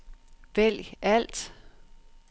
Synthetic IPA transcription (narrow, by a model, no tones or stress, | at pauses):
ʋel̰jæl̰d̥